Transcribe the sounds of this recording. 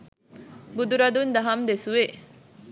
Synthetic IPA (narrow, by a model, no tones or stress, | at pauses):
bud̪uɾɐd̪und̪ɐɦɐmd̪esuʋe